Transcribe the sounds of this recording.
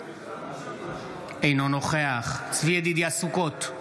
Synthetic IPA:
ejnonoχeaχsvied̪id̪iasukot̪

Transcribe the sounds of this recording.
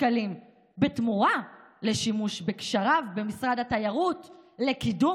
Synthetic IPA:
kalim | betmuʁa | le̞ʃimuʃbekʃaʁavbe̞misʁadhatajaʁutle̞kidu

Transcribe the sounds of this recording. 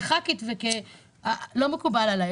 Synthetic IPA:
χakit̪veke | alomekubalala

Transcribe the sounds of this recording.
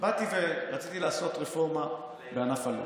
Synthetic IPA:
bat̪iveʁat͡sit̪ilaːso̞t̪ʁefo̞ʁma | beanafalo̰

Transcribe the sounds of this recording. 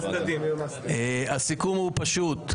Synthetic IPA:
ɐd̪i | easikumupɐʃut̪

